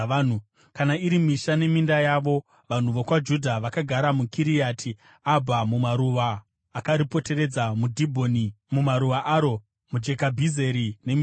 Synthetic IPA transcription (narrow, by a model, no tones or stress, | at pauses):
n̤u | kanaiɾimiʃane̞mindajaːʋo̞ | ʋan̤uʋokwad͡ʒudʱaʋakaɡʱaɾamukiɾijatʰi | abʱamumaɾuʋaː | kaɾipo̞te̞ɾe̞d͡zamudʱibʱoni | mumaɾuʋaʔaɾo̞ | mud͡ʒe̞kabʱize̞ɾine̞mi